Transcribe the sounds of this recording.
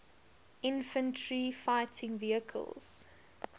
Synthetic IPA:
ʔɪ̃nfə̃ntʰɹifaɪtʰɪ̃ŋviəkʰə̰lˠz̥

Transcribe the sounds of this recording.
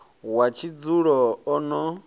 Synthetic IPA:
wat͡ʃʰid͡zuɺɔɔnɔ

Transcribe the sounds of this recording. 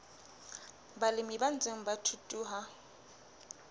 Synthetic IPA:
balɪmiban̩t͡sʼeŋ̩batʰutʼuːɦa

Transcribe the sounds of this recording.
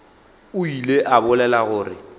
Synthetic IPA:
ʊileʔabʊlɛlaɣʊːrɪ̰

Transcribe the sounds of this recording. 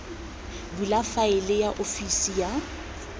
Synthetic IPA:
bulafaɪlɪjaʔofisija

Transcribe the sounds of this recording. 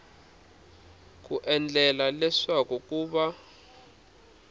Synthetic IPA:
k̬uʔɛnd͡ɮʱɛlalɛʂak̬ʼuk̬ʼuːɓa

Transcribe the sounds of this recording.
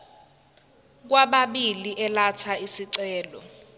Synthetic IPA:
k̬waɓaɓiliʔɛlat͡sʰaisiǀɛːlɔ

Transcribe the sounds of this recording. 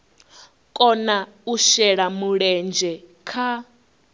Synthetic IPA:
kʼɔna | uʃɛɺamuɺɛnd͡ʒɛkʰa

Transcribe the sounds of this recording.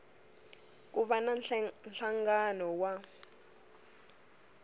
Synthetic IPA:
k̬uɓananɬaŋɡanɔwa

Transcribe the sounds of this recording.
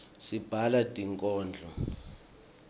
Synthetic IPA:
sib̥ʱalatʼiŋkʼɔːnd͡ɮʱɔ

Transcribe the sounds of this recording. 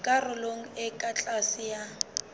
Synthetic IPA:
kʼarʊloŋ̩ɪkʼat͡ɬʼasɪja

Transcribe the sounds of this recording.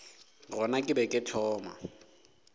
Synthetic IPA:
rɔnakʼɪbɛkʼɪtʰɔːma̰

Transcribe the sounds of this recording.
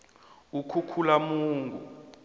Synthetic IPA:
ukʰukʰulamuːŋɡʱṵ

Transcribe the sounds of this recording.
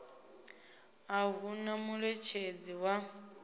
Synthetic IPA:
aβunamuɺɛt͡ʃʰed͡ziwa

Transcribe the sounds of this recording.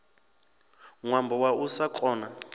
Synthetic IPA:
ŋwambʱɔwaʔusakʰʼɔːna

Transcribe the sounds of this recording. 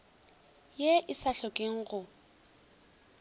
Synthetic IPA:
jeʔɪsaɬɔkʼeŋ̩ɣʊ

